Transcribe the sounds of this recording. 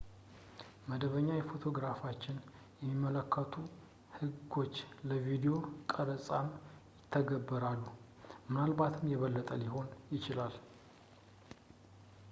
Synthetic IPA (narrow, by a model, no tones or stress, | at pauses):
məd̪əβəɲːajɛfo̞t̪ʰo̞ɡɾafat͡ʃːɪn | jɛmːimːələkʰːət̪ʰu | hɨɡo̞t͡ʃːləvid̪ejo̞kʼəɾəsʼamjɪt̪ʰːəɡəbːəɾalːu | mɨnalbat̪ʰɨmjɛβəlːət̪ʼəliho̞njɪt͡ʃɪlal